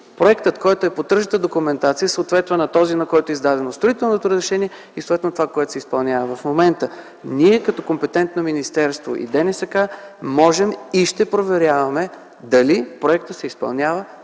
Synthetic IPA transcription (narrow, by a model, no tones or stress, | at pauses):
pɾoɛkt̪ət̪kɔjt̪oɛpot̪ːɾʒət̪əd̪okumɛnt̪at̪sijəsəot̪vɛt̪nɐnɐt̪ɔzinɐkɔjt̪oɛizd̪ad̪ɛnost̪ɾoit̪ɛlˠnot̪oɾəzɾɛʃɛniɛ | isot̪vɛt̪not̪ovakoɛt̪o̥sɛispɐlˠnʲavəvɐfmomɛnt̪ə | niɛkɐt̪ɔkompɛt̪ɛnt̪nominist̪ɛɾst̪vo̰ʔḭd̪ɛnɛsɐkamɔʒɛmiʃt̪ɛpɾovɛɾʲjavɐmɛ | d̪ɐlipɾoɛkt̪ət̪sɛispɐ̰lˠnʲjavə